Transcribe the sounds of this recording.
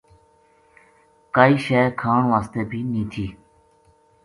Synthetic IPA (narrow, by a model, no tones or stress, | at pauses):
kaːiːʃɛːkʰaːɳʋaːst̪eːbʱiːnĩːt̪ʰiː